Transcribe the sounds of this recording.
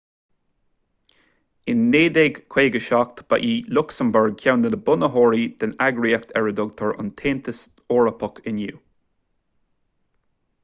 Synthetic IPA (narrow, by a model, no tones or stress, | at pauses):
ɪnːeːd̪eɡkʰw̥eːɡəʃak̚t̪b̥a̰ʔiːlʊksəmbəɹɡçawnəd̪əbʊnəɦɔːɹid̪̥ənaɡɹiakt̪ʰɛɹəd̪ʊɡ̚t̪ʰɔɹʊ̰nt̪ʰeːnt̪ʰəs | ɔːɹəpʰɔkʰɪnjuː